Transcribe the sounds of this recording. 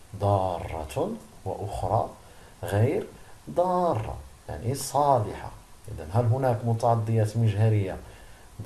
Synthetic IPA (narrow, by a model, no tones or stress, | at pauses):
d̪ˤɑrˤːɑ̰t̪waʔʊxɾˤɑ̰ | ɣijɾd̪ˤɑrˤːɑ̰ja̰ʕnisˤɑlɪħa̰ʔə̰d̪ænɦælɦʊnækmʊt̪ɑʕɑd̪ˤːəjæt̪məʒɦæɾəjːa